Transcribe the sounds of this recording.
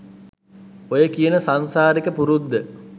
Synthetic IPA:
ojəkijənəsansaːɾikəpuɾud̪ːə

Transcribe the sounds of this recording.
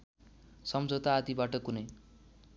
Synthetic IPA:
sʌmd͡zʱot̪aːd̪ibaʈʌkunʌj

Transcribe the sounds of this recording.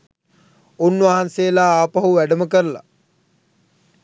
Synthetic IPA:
unːʋaɦansejəlaːaːpaɦuʋæɖəməkəɾəla̰

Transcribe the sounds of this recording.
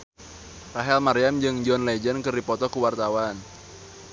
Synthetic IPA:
raɦɛlmaɾiamd͡ʒɨŋd͡ʒɔnled͡ʒənkɨrdipɔt̪ɔkuwart̪awan

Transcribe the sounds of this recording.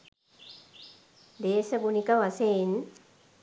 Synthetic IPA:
d̪eːsɐɡunikaʋasen

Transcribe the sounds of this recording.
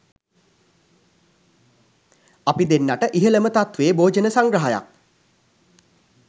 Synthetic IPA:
apid̪enːaʈəʔiɦələmət̪at̪ʋeːboːd͡ʒənəsaŋɡɾəɦaja̰k̚

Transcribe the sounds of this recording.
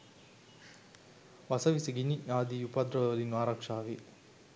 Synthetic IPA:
ʋɐsɐʋisiɡinijaːd̪ijupɐd̪ɾɐoliŋaːɾakʂaːʋi

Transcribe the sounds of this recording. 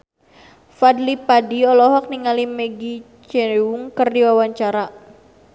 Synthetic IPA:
fadlipadiɔlɔɦɔk̚niŋalimeɡi | t͡ʃɛwuŋkərdiwawaɲt͡ʃaɾa

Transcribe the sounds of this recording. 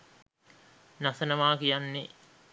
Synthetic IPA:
nasənəʋaːkijanːe

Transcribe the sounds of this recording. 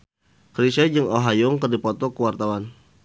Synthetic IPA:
kɾisɛd͡ʒɨŋoɦajʊŋkərdipɔt̪ɔkəwart̪awan

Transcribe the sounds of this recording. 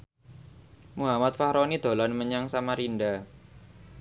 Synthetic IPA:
muɦamat̪̚fahɾɔnid̪̥o̤lanməɲaŋsamaɾinɖa

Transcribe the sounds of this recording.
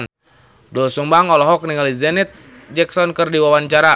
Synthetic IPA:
n | dɔlsumbaŋɔlɔɦɔk̚niŋalizɛnɛt̪̚ | d͡ʒɛksɔnkərdiwawaɲt͡ʃaɾa

